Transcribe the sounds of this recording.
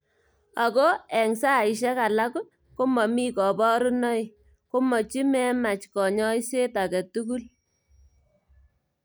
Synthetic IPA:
a˨kɔ˦ɛ˨ŋsa˦˨i˨ʃ̬ɛ˦ka˨la˦k | ko˦mɔ˨mi˦kɔ˨bɔ˦ɾu˦nɔ˦j | ko˦mɔ˨t͡ʃi˦mɛ˦ma˨t͡ʃkɔ˨ɲɔ˦i˦se˦ta˨kɛ˨tu˦ku˦l

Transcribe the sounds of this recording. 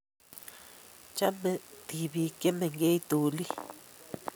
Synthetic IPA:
t͡ʃa˦me˨t̪i˨βi˨ke˦me˨ŋɡe˦jt̪u˨li˦

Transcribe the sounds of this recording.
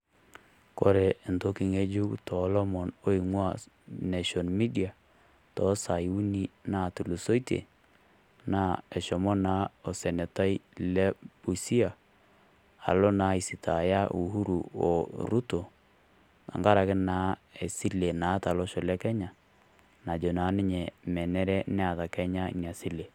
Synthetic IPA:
ko˦ɾe˨nto˦ki˨ŋe˦d͡ʒu˦ktɔ˨˦lɔ˦mɔ˨no˦i˨ŋwa˦ | ne˨ʃɔ˨nmi˦di˨a˨ | tɔ˦sa˨ju˦ni˦na˦tu˨lu˨so˦i˦tḛ˨ | na˦ɛ˨ʃɔ˨mɔ˦na˦o˨sɛ˨nɛ˨ta˦jlɛ˦pu˨si˦a˨ | a̰˨lɔ˦na˨˦i˨si˨tʰa˨ja˦ʔu˨hu˦ɾu˨ɔ̰˨ɾu˦to˨ | a̰˨ŋɡa˦ɾa˨kɪ˦na˦e˨si˦le˨na˨˦ta˨lɔ˦ʃɔ˨lɛ˦kɛ˦ɲa˨ | na˨d͡ʒo˨na˨˦nɪ˦ɲɛ˨mɛ˨nɛ˦ɾɛ˦n˦a˨ta˨kɛ˦ɲa̰˦˨ɲa˨si˦le˨

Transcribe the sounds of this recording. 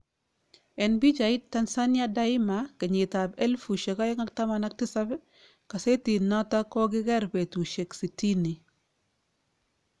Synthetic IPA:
ɛ˨nbi˦d͡ʒa˨i˦t̚tːa˦nsa˦nja˦da˦i˦ma˨kɪ˨ɲi˨ta˨bɛ˦lfu˨ʃe˨ka˦jŋa˦k̚ta˦mana˦k̚tɪ˦sa˦b | ka˨se˦ti˨na˦ta˦kɔ˦ɡɪ˦ɡɛ˦ɾbe˨tu˨ʃe˨ksi˨ti˦ni˨

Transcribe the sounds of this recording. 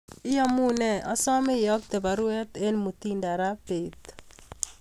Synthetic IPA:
ɪ˦jɔ˦mu˦nɛ˨ʔɔ˦sɔ˦me˦jɔ˦k̚t̪e˨ba˨ɾu˦ɛ˦t̪e˦nmu˨t̪i˦nda˨ɾa˦pe˨t̪

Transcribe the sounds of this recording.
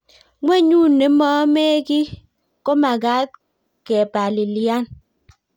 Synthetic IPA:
ŋʷe˦ɲuː˦˨ne˨˦mɔ˦me˦ki˦ | ko˦ma˨ɡa˦t̚ | ke˨pa˨li˨lja˦n

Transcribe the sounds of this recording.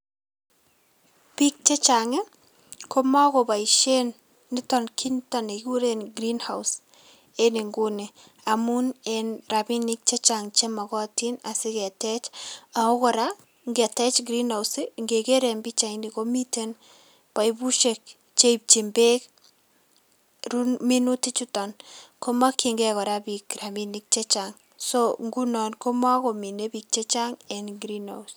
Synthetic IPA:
pi˦k̚t͡ʃe˦t͡ʃaŋe˦ | ko˦ma˦ɣo˨ba˨iʃe˦nː | ɪ˦tɔ˨nkʰi˦nta˨ne˨ɡu˦ɾe˦nɡɾi˦nha˨ws | e˦ni˨ŋɡu˦ne˨ | a˨mu˦ne˨nɾa˨bi˦ni˦k̚t͡ʃe˦t͡ʃa˨ŋt͡ʃe˦ma˨ɣɔ˦ti˦na˨sɪ˦ɡe˨tɛ˦t͡ʃa˨o˦ɣɔ˨ɾa˦ | ŋɡɛ˨tɛ˦t͡ʃɡɾi˦na˨wsiŋɡe˨ke˦ɾe˨mbi˦t͡ʃa˨ini˨ko˦mi˦te˦n | pa˨ibu˦ʃe˨k̚ | t͡ʃe˦p̚t͡ʃi˨mbe˦k | ɾumi˦nu˦ti˦t͡ʃu˦tɔ˨nko˦ma˦ki˨ŋɡɛkɔ˨ɾa˦bi˨kɾa˨mi˦ni˦k̚t͡ʃe˦t͡ʃaŋ | soŋɡu˦nɔ˨nko˦ma˦ko˨mi˨ne˦bi˨k̚t͡ʃe˦t͡ʃa˦ŋɛ˨nɡɾina̰˨us

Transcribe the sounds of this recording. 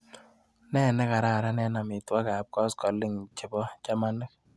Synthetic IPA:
nɛ˦˨nɛ˦ka˨ɾa˦˨ɾa˦nɛ˦na˨mɪ˨twa˦ka˨p̚kɔ˦skɔ˨li˦ŋt͡ʃɪ˨bɔ˦t͡ʃa˦ma˦nɨ˦k̚

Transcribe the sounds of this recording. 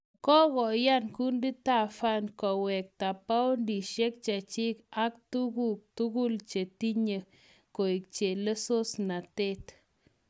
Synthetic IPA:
kɔ˦ɣɔ˨ja˦nku˦ndi˦t̪a˦˨fa˦nkɔ˨wɛ˨k̚t̪a˨pa˦wndi˨ʃe˦k̚t͡ʃa˨t͡ʃi˦ka˦k̚t̪u˦ɡu˦˨k̚t̪u˦ɡu˦lt͡ʃe˨t̪i˦ɲə˨ | ko˨i˨k̚t͡ʃe˨le˦so˦sna˨t̪e˦˨t̪

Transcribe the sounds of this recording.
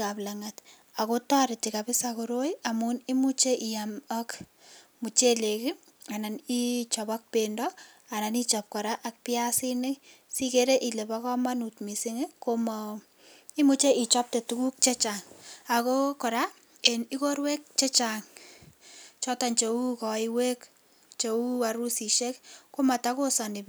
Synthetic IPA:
kaplaŋat | a˨ko˦taɾɪ˨tikapɪ˦sakuɾo˦jamuni˦mu˦t͡ʃe˦ʔi˨jamɔk | mu˨t͡ʃe˦le˨kɪ | a˨na˨ni˦t͡ʃɔbɔk̚pendɔ | a˨na˨nit͡ʃɔp̚kɔ˨ɾa˦ʔak̚piasi˦nɪ | si˦ke˦ɾe˦ʔi˨le˨bakɔ˦ma˦nu˨tmi˨si˦ŋekomɔ | i˦mu˦t͡ʃe˦ʔi˨t͡ʃɔ˦p̚te˨tu˦ku˦k̚t͡ʃe˦t͡ʃa˨ŋa˨ko˦kɔ˨ɾa˦ | e˨ni˦ko˦ɾwe˦k̚t͡ʃe˦t͡ʃaŋ | t͡ʃɔ˦ta˨ɲt͡ʃe˨u˦kɔ˨iwe˦k | t͡ʃeu˦wa˨ɾu˦si˨ʃe˦kko˦ma˨ta˦ko˦sɔ˨ni˨b

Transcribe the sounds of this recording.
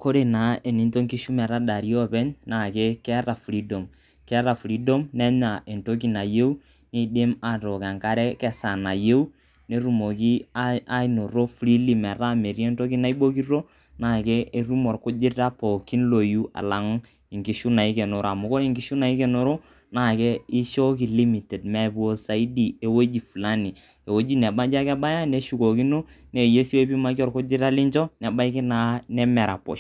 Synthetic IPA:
ko˦ɾe˨na˨˦e˨ni˦nto˦ŋki˦ʃu˦mɛ˨ɾa˦da˨ɾi˦ɔ˦pɛ˦ɲna˨ke˦kɛ˦ra˨fɾi˦dɔ˨m | kɛ˦ɾa˨fɾi˦dɔ˦mnɛ˦ɲa˨ʔe˨nto˦k̬i˦na˨je˦u˦ | ne˦˨de˦ma˨tɔ˨kɛ˨ŋka˦ɾɛ˦kɛ˨sa˨na˨je˦u˦ | ne˦ɾu˨mo˨ki˦a˦i˨no˨ɾo˦fɾi˦li˨mɛ˨ɾa˦˨me˨ɾi˦ɛ˦nto˦ki˦na˦i˦ɓo˦ki˦ro˦ | na˦˨kɛ˦ʔe˦ɾu˦mɔ˨rkʊ˦d͡ʒɪ˦ta˦po˨ki˦nlo˨ju˦a̰˨la˨ŋ˦ | ɪ˨ŋɡi˨˦ʃu˦na˨i˦ke˨no˨ɾa˨mʊ˨˦ko˦ɾi˨ŋɡi˦ʃu˦na˨i˦kɛ˨no˨ɾo˦ | na˦˨kɛ˦i˦ʃo˦ki˨li˦mi˨tɛ˨d̚mɛ˨bo˦sa˨i˦di˨e˨wo˦d͡ʒi˨fu˨la˦ni˨ | e˨wo˦d͡ʒi˦nɛ˨ba˦d͡ʒa˦kɛ˦ba˦ja˦ne˨˦ʃu˨ko˨ki˦no˦ | ne˨je˦si˦we˦pi˦ma˦ki˦ɔ˦˨rkʊ˦d͡ʒɪ˦ta˦li˦ɲt͡ʃɔ˦nɛ˨ba˦i˦ki˦na˦nɛ˦mɛ˨ɾa̰˨pɔ̰˨ʃ

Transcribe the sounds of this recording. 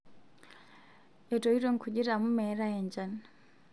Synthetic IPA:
ɛ˨to˨i˦ɾo˦ŋkʰu˨ʄi˦ɾa˨mu˦mɛ˦ɾa˦e˨ɲd͡ʒa˨n

